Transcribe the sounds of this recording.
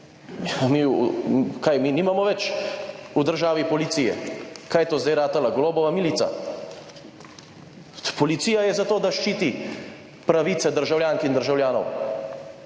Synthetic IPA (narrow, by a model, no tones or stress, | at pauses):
mi | kajminiːmamɔʋɛt͡ʃ | ud̪əɾʒaːʋipɔlit̪siːjɛ̰kaːjɛt̪oːzd̪ajɾaːt̪alaɡloːbɔʋamilit̪sa̰ | pɔlit̪siːjajɛzat̪oːd̪aʃt͡ʃiːt̪i | pɾaʋiːt̪sɛd̪əɾʒawljaːŋkind̪əɾʒawljaːnɔ̰w